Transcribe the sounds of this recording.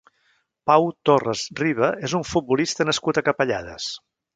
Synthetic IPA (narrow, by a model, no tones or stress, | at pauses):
pawt̪orəzriβəʔezuɱfut̪̚bulist̪ənəskut̪əkəpəʎa̰ð̞ə̰s